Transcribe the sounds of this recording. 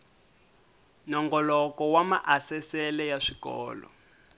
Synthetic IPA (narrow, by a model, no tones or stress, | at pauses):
nɔŋɡɔlɔkɔwamaʔasɛsɛlɛjaʂikɔ̰ːlɔ̰